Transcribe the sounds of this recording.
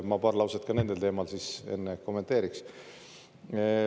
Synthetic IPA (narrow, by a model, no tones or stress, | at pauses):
mɑpɑːrlɑwset̪̚kɑne̞nd̪e̞lt̪e̞ːmɑlsise̞̰nːeko̞mːet̪ˑe̞ːɾiks